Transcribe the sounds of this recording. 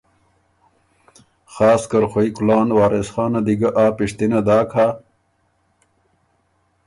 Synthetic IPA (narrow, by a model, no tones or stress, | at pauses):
xɑːskɐɾxoikulɑːnwaːɾesxɑːnɐd̪iɡaʔaːpiʂt̪inad̪aːkʰa